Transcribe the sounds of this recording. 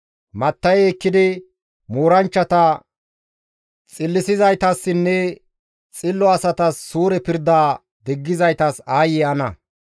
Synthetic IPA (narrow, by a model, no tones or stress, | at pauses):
mɐt̪ːɐjɛkːɪd̪ɪ | moːɾɐnt͡ʃːɐt̪ɐ | t͡sʼɪlːɪsɪzɐjt̪ɐsːɪnːɛ | t͡sʼɪlːɔɐsɐt̪ɐsːuːɾɛpɪɾd̪aː | d̪ɛɡːɪzɐjt̪ɐsaːjɛɐnɐ̰